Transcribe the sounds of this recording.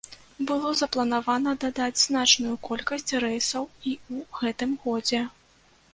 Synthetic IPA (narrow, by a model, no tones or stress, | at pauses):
bɨlˠɔzɐplˠɐnavanɐd̪ad̪ad͡zʲznat͡ʂnujukɔlʲkɐsʲt͡sʲrɛjsɐwiuɣɛt̪ɨmɣɔd͡zʲɛ